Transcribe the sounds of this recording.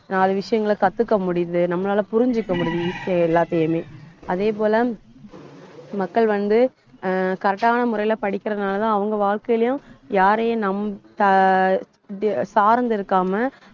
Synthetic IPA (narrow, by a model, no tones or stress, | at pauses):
nãːɐðɐʋɪʂɐjɐŋɡɐɭkɐt̪ːɯkːɐmʊɽɪðɯnɐmːɐnaːlɐpʊɾɪɲd͡ʒɯkːɐmʊɽɪðɯɪkːɐɛlːaːt̪ːejɐmeːɐðeːp̬oːlɐ | mɐkːɐɭʋɐnd̪ɯ | kɐɾɐʈːaːnɐmʊɾɐɪɪlɐpɐɽɪkʲːɪɾɐnaːlɐt̪ãːɐʋɐŋɡɐʋaːɻkɐjlɐjʊ̃jaːɾenɐmt̪ɐ | saːɾnd̪ɪɾɯkːaːmɐ